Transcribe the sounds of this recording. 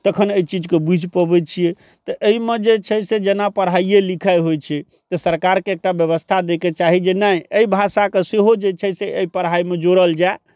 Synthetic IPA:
t̪əkʰənəjt͡ʃid͡ʒkebud͡ʒʱpəbɛt͡ʃʰijɛ | t̪ɔʔəimed͡ʒet͡ʃʰɛsed͡ʒenapəɾɦaijelikʰajɦojt͡ʃʰɛ | t̪ɔsəɾkaɾkeːk̚ʈabjəβəst̪ʰad̪eket͡ʃaɦid͡ʒenajəibʱasakeseɦod͡ʒet͡ʃʰɛseʔəipəɾɦaimed͡ʒoɾəld͡ʒa

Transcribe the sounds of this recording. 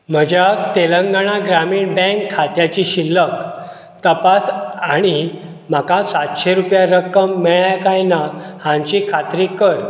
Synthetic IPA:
m̤əd͡ʑat̪eləŋɡaɽ̃aɡɾamiːɳbɛ̃ŋkʰːat̪jat͡ɕiɕilːək | t̪əpasaɽ̃i | m̤akasat̪ɕeɾupjaɾəkəmːɛɭajkajnahãɲt͡ɕikʰat̪ɾikəɾ

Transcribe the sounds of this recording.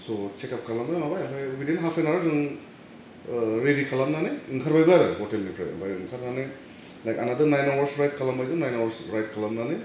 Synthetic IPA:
sot͡ʃekap̚kʰalambaɾɯmabajaŋpʰajbidenɦapʰenaɾadɯŋ | ɾeɾikʰalamnanɯiŋkʰaɾbajbaɾɯbɔtelnipʰɾa̰bajɯŋkʰaɾnanɯ | lajkanadɯnajnawaɾsɾajt̚kʰalambajzɯnajnawaɾsɾajt̚kʰalamnanɯ

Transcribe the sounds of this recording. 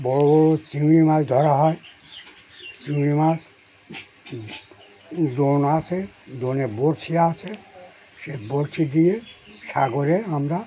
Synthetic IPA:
bɔɹobɔot͡ʃimnimad̪ʱɔɾaɦɔj | t͡ʃimnimas | donat͡ʃʰed̪oneboɾt͡ʃʰiaat͡ʃʰe | seboɾt͡ʃʰid̪ijesa̰ɡoɾeamɾa

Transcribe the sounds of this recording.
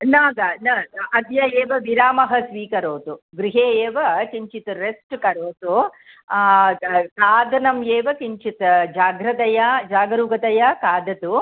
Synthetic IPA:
naːɡɐnɐɐd̪jɐjeːʋɐʋiɾaːmɐɦɐsʋiːkɐɾoːt̪uɡɾiɦeːeːʋɐkiɲt͡ʃit̪uɾesʈkɐɾoːt̪u | kaːd̪ɐnɐmjeːʋɐkiɲt͡ʃit̪d͡ʒaːɡɾɐt̪ɐjɐd͡ʒaːɡɐɾuːɡɐt̪ɐjɐkaːd̪ɐt̪u

